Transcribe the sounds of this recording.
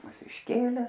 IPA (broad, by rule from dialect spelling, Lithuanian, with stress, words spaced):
ˈmʊs ɪʃʲˈkʲeːlʲeː